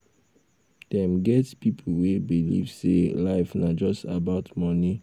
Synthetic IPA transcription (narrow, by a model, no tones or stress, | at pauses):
d̥ɛ̃mɡɛtpip̩ʰwebilḭv̥sḛlaɪfnad͡ʒɔstabaʊtmɔni